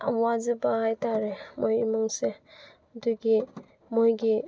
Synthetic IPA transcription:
wazəbahajtʰaɾemojimɯŋse | duɡi | mojɡi

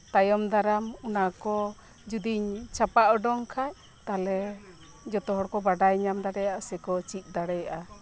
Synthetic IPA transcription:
t̪ajɔmd̪aɾamunakɔ | d͡ʒud̪iɲt͡ʃapaʔɔɖɔŋkʰaj | t̪alɛ | d͡ʒɔt̪ɔɦɔɽkɔbaɖajɲamd̪aɽɛjaʔasɛkɔt͡ʃit̪̚ˀd̪aɽɛjaʔa

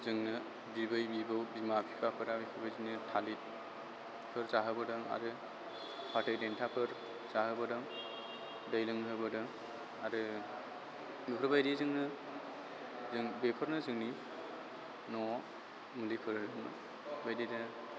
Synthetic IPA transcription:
zɯŋnɯ | bibɯjbibɯwbimapʰipʰapʰɯɾabikʰɯbajdinitʰalit̚ | pʰɯɾzaɦɯbɯdɯŋa̰ɾɯ | pʰatʰɯjdentʰapʰɯɾ | zaɦɯbɯdɯŋ | dajlɯŋɦɯbɯdɯŋ | aɾɯ | mikʰɾɯbajdizɯŋnɯ | zɯŋbepʰɯɾnɯzɯŋni | nɔ | mulipʰɯɾɾɯŋnɯ̰ | bajdidɯ

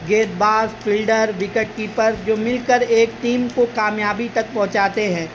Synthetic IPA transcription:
ɡeːd̪̚baːsfʰɪlɖəɾʋɪkəʈ̚kipɐɾd͡ʒoːmɪlkəɾeːk̚ʈiːmkokaːmjaːbit̪ɐk̚pɔ̃ɦʊ̃t͡ʃaːt̪eɦɛ̃ː

